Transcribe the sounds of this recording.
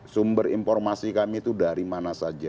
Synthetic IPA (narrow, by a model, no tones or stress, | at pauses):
sumbərinfɔrmasikamit̪udaɾimanasad͡ʒa